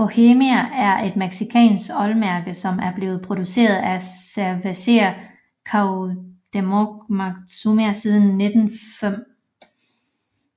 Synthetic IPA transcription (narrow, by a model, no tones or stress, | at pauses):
o̝hemiææɐʔe̝d̥meɡ̥sikʰɛ̰ːnsɡ̥ɒ̽lmæɐɡ̥ð̩sɒ̽mæɐb̥le̝ːʊð̞̩ˠpʰʁo̝d̥juse̝̰ːɐð̞̩ˠæsæʋese̝ɐ | kʰɑʊd̥emoɡmɑ̈ɡ̥sumiæsiːð̞ˠn̩ːe̝d̥n̩fem̰